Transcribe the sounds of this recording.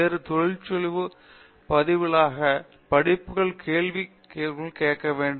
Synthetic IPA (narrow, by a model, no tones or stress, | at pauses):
eːɾɯt̪ɔɻɪlt͡ʃːɔlɪʋɯ | pɐðɪʋɪɭaːɣɐ | pɐɽɪpːɯɣɐɭkʰeːɭʋi | keːɣɪɭkeːkːɐʋeːɳɖ